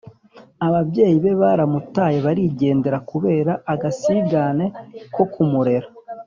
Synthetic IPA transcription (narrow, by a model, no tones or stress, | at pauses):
aβabɟe̞ːjiβe̞βaːɾamutaːje̞βaɾiɟe̞ːnde̞ɾakuβe̞ːɾaːɡasiɡane̞ko̞kumuɾe̞ɾa